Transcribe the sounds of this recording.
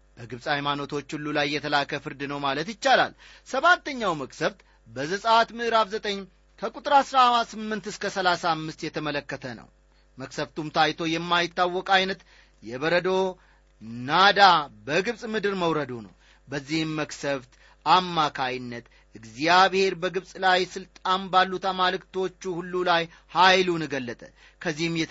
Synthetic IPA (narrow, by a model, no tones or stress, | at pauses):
b̥əɡɨβsʼhajmanot̪ʰo̞t͡ʃːulːulajːɛt̪ʰəlakʰəfɨɾd̪ɨnəwmalət̪jɪt͡ʃːala̰l | səβat̪ːəɲːawməksəβt̪ | bəzəsʼat̪mɨʔɾaβzət̪ʼəɲː | kʰəkʼut̪ʼɾasɾasɨmːɨnt̪ɨskʰəsəlasaːmːɨst̪jɛt̪ʰəmələkːət̪ʰənə̰w | məksəβt̪umt̪ʰajt̪ʰo̞jɛmːajɪt̪ːawːɔkʼajnət̪ | jɛβəɾəd̪o̞ | nad̪abəɡɨβsʼmɨd̪ɨɾməwɾəd̪onə̰w | bəzːihɨmːəksəβt̪ | amːakʰajnːət̪ | ʔɨɡzjaβhe̞ɾbəɡɨβsʼlajsɨlt̪ʼanbalːut̪amalɨkt̪ʰo̞t͡ʃːuhulːulaj | hajlunɨɡəlːət̪ʼə | kʰəzːihmjɛ